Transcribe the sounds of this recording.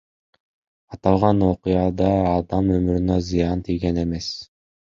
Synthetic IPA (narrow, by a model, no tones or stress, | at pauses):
ɑt̪ɑlˠʁɑno̞qɨjɑd̪ɑːd̪ɑmømyɾynøzɨjɑnt̪ʰijɡe̞ne̞me̞s